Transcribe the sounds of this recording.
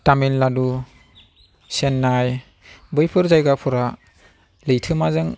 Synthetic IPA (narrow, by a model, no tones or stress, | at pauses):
taminladu | senːaj | bɯjpʰɯɾzajɡapʰɔɾa | lɯjtʰɯmazɯŋ